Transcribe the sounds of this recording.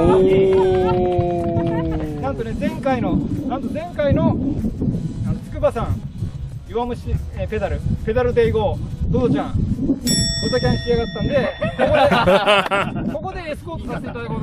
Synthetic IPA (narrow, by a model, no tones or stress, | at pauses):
nãnt̪o̞nezẽ̞ŋkaino̞nãnt̪o̞zẽ̞ŋkaino̞ | anot͡sɨ̥kɯ̟basãŋ | joβamɯ̟ɕiepe̞d̪aɾɯ̟pe̞d̪aɾɯ̟d̪eiɡo̞ːd̪od̪ot͡ɕãŋ | t̪ot̪akʲãñkʲiaɡat̪ːãnd̪e̞kokoe | ko̞ko̞d̪eesɨ̥koːk̪